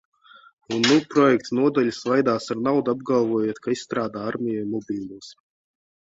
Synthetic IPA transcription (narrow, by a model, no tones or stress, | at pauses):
unːupɾɔjɛkt̪snuɔd̪alʲisvajd̪aːsaɾnawd̪ab̚ɡalˠvuɔjoːt̪kaisst̪ɾaːd̪aːaɾmʲijamɔbʲiːlˠuːs